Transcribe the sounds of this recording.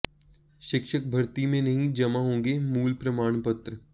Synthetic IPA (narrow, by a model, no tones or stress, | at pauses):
ʃɪkʃək̚bʱɐɾt̪imẽnɐɦĩd͡ʒɐmaɦõːɡemuːlpɾɐmaːɳ̃pɐt̪ɾə